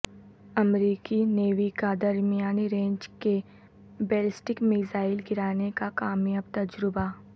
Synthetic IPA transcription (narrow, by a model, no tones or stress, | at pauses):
ɐmɾiːkineːʋikad̪ɐɾmijaːniɾẽːɲd͡ʒke | beːlɪsʈɪkmɪzaːɪlɡɪɾaːnekakaːmjaːbt̪ɐd͡ʒɾɪba